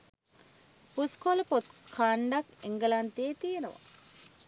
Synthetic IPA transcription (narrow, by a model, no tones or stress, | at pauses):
puskoləpot̪̚kʰaɳɖakeŋɡəlant̪eːt̪ijenəʋa̰